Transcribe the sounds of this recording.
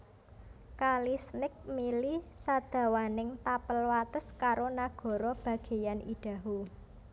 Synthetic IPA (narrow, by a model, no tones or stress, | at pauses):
kalisnɪk̚milisad̪̥ä̤wanɪŋt̪apəlwat̪əskaɾonaɡ̥ɔ̤ɾɔb̥ä̤ɡ̥e̤janiɖ̥ä̤ɦu